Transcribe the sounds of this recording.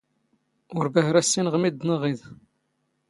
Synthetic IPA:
ʊɾbæhɾæsːinʁmid̪nəʁið

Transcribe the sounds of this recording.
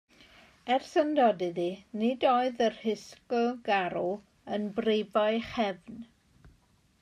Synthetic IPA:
ɛrsəndɔdɨðinɪdoɨðərhɪskɔɡaɾu | ənbrejbaɨχɛvn

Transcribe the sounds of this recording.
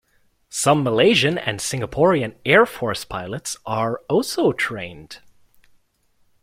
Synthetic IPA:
sʌ̃mːəleɪʒɨ̃nɨ̰̃nsɪ̃ŋəpʰɔɹiɨ̃nɛɹfɔɹspʰaɪlˠətsʔə˞ɔlˠsoʊtʰɹ̥ẽɪ̃nd̥

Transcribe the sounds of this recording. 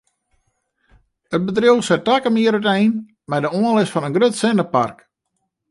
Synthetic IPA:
ət̚bədrɪlˠsɛt̚akəmɪəɾytɛjn | mɛdəɔəlɪsfɔnənɡrøtsɪnəpa̰rk

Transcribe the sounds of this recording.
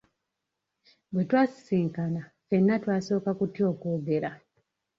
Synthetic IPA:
bwetwaːsi̥siːŋkana | fe̞nːatwaːso̞ːkakutio̞ːkoːɡe̞ɾa

